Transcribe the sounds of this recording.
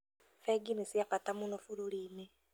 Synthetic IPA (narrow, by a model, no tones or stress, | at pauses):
feɡinisijafatamunofululiːme